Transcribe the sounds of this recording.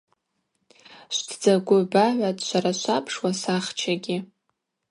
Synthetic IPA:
ʃʷdʰd͡zaɡʷʊbaʕʷatʼʃʷaɾaʃʷapʰʂwasaχt͡ʃʰaɡʲɪ

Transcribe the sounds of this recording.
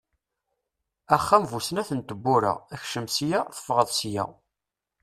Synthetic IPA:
æχːæmvusnæθənt̪əbːʊɾə̰æçʃəmsjæθə̥fʁəðˤsjæ̰

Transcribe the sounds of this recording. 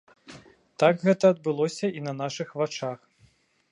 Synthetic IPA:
t̪aɡɣɛt̪ɐːd̪̚bɨlˠɔsʲɐinɐnaʂɨxvat͡ʂax

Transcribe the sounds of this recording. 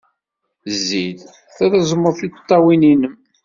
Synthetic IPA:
zːið | θæðæzˤmːəɾθi̥t̪ˤːɑwininəm

